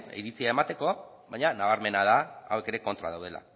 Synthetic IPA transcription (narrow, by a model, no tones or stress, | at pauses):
iɾit͡siae̞mat̪e̞ko̞ | βajɲanaβaɾme̞nað̞aa̰weke̞ɾe̞ko̞nt̪ɾa̰ðawð̞e̞la̰